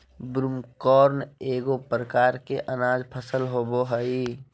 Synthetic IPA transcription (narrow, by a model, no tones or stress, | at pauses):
bɾumkɔːɾneːɡopɾəkaːɾkeʔənaːd͡ʒpʰəsəlɦoːboɦəi